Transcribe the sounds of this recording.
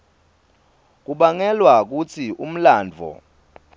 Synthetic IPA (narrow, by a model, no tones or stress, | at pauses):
k̬uɓaŋɛlwak̬ut͡sʰium̩laːnd͡vʱɔ̰